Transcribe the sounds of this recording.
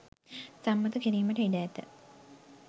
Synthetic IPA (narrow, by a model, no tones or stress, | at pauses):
samːət̪əkiɾiːməʈəiɖæːt̪ə̰